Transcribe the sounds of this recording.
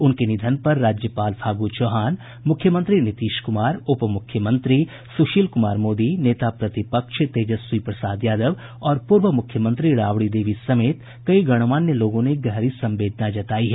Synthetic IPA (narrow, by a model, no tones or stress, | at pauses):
ʊnkenɪd̪ʱənpɐɾːaːd͡ʒjəpaːlpʰaːɡut͡ʃoːɦaːn | mʊkʰːjəmə̃nt̪ɾinɪt̪iːʃkʊmaːɾʊpmʊkʰjəmə̃nt̪ɾi | sʊʃiːlkʊmaːɾmoːd̪ineːt̪apɾɐt̪ɪpəkʃt̪eːd͡ʒəswipɾəsaːd̪jaːd̪əʋ | ɔːɾpʊɾʋəmʊkʰjəmə̃nt̪ɾiɾaːʋɽid̪eːʋisɐmeːt̪ | kɐiɡɐɽ̃ʋaːnːjəloːɡõneɡɛɦɾisɐ̃mbeːd̪ʱnad͡ʒɐt̪aːiɦɛː